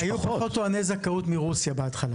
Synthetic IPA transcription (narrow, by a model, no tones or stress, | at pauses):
ajupaχot̪oanezakaut̪miʁusjabeat̪χala